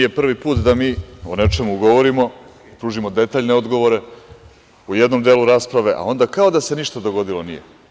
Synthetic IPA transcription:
jepr̩ʋipuːt̪d̪amiːone̞t͡ʃe̞muɡo̞ʋoɾimo̞ | pɾuːʒimo̞d̪e̞t̪aːʎne̞o̞d̪ɡo̞ʋoɾe̞ | ujed̪no̞md̪eːluɾaːspɾaʋe̞ʔa̰o̞nd̪akao̞d̪ase̞niʃt̪ad̪o̞ɡo̞d̪ilo̞nijḛ

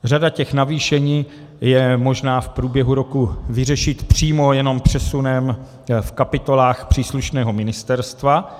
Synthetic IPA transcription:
radacɛxnaviːʃɛɲiː | jɛmo̞ʒnaːfpɾuːbjɛɦuɾo̞kuvɪrɛʃɪt̪pr̥iːmo̞jɛno̞mpr̝̥ɛsunɛm | fkapɪt̪o̞laːxpr̥iːsluʃnɛːɦo̞mɪnɪst̪ɛɾst̪va

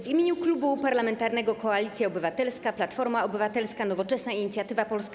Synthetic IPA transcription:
vimʲeɲuklubupaɾlamɛnt̪aɾnɛɡɔkɔalʲit̪sʲjaɔbɘvat̪ɛlskaplat̪fɔɾmaɔbɘvat̪ɛlskanɔvɔt͡ʂɛsnaiɲit̪sʲjat̪ɘvapɔlska

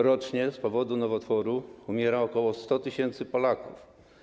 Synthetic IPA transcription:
ɾɔt͡ʂɲɛspɔvɔd̪unɔvɔt̪fɔɾuumʲjɛɾaɔkɔwɔst̪ɔt̪ɘɕɛnt̪sɘpɔlakuf

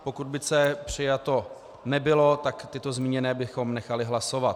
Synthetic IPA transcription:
po̞kud̪̚bɪsɛpr̝̥ɪjat̪o̞ | nɛbɪlo̞t̪akt̪ɪt̪o̞zmiːɲɛnɛːbɪxo̞mnɛxalɪɦlaso̞vat̪

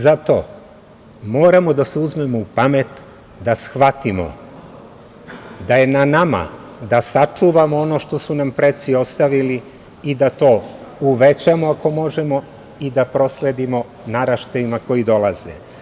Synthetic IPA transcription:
zat̪o̞̰ | mo̞ːɾamo̞d̪aseuzme̞mo̞upame̞t̪ | d̪asxʋat̪imo̰ | d̪aje̞nanama̰ | d̪asat͡ʂuːʋamoono̞ʃt̪o̞sunampɾet̪sio̞st̪aʋili | id̪at̪o̞ːuʋet͡ɕamoako̞mo̞ʒe̞mo̞ | id̪apɾo̞sle̞d̪imo̞ | naɾaʃt̪aimako̞jid̪o̞lˠaz̥ḛ

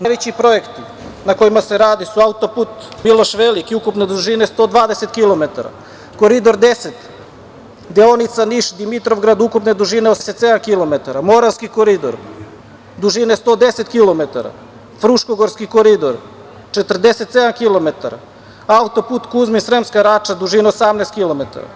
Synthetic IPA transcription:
naʋet͡ɕipɾo̞jekt̪i | nako̞imaseɾaːd̪isuaut̪oput̪milˠoʃʋelikiukupned̪uʒinest̪oːd̪ʋaːd̪eset̪kilˠomet̪a̰ɾa̰ | koɾid̪o̞ɾd̪eset̪ | d̪eonit̪saniʃd̪imit̪ɾo̞vɡɾad̪ukupned̪uʒineoseset̪sed̪amkilˠo̞met̪aɾamo̞ɾaskikoɾid̪o̰ɾ | d̪uʒinest̪od̪eset̪kilomet̪aɾa̰ | fɾuʃkoɡoɾskikoɾid̪oɾ | t͡ʃet̪rd̪eset̪sed̪amkilˠomet̪aɾa̰ | aut̪oput̪kuzminsɾemskaɾat͡ʃad̪uʒineosamnest̪̚kilomet̪a̰ɾa̰

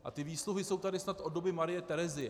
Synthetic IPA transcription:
ʔa̰t̪ɪviːsluɦɪso̞wt̪adɪsnat̪ʔodo̞bɪmaɾɪjɛt̪ɛɾɛzɪɛ

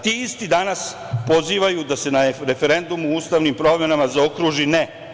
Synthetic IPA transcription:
t̪iːist̪id̪anas | po̞ziːʋajud̪ase̞naɾe̞fe̞ɾe̞nd̪umuuːst̪aʋnimpɾo̞ːmme̞namazao̞kɾuːʒine

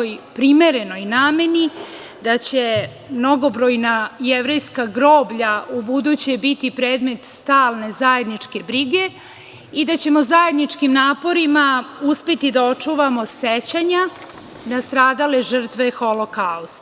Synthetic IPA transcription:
ojpɾime̞ɾe̞no̞inaːme̞ni | d̪at͡ɕe̞ | mno̞ɡo̞bɾojnajeʋɾe̞jskaɡɾo̞ːbʎaubud̪ut͡ɕebit̪ipɾe̞ːd̪me̞t̪st̪aːlˠne̞zaje̞d̪nit͡ʂke̞bɾiɡe̞ | id̪at͡ɕe̞mo̞zaje̞d̪nit͡ʂkimnaːpo̞ɾimauspet̪id̪ao̞t͡ʂuːʋamo̞set͡ɕaɲa | d̪ast̪ɾaːd̪ale̞ʐr̩t̪ʋe̞xo̞lokaust̪

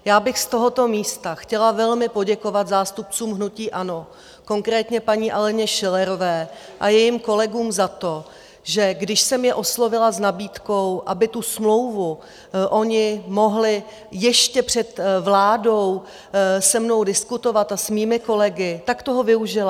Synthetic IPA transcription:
jaːbɪxst̪o̞ɦo̞t̪o̞miːst̪axcɛlavɛlmɪpo̞ɟɛko̞vat̪zaːst̪up̚t͡suːmɦnuciːʔano̞ | ko̞ŋkɾɛːt̪ɲɛpaɲiːʔalɛɲɛʃɪlɛɾo̞vɛː | ʔajɛjiːmko̞lɛɡuːmzat̪o̞ | ʒɛɡdɪʃsɛmjɛʔo̞slo̞vɪlaznabiːt̪ko̞wʔabɪt̪usmlo̞wvu | ʔo̞ɲɪmo̞ɦlɪ | jɛʃcɛpr̝̥ɛt̪vlaːdo̞w | sɛmno̞wdɪskut̪o̞vat̪asmiːmɪko̞lɛɡɪt̪akt̪o̞ɦovɪuʒɪla

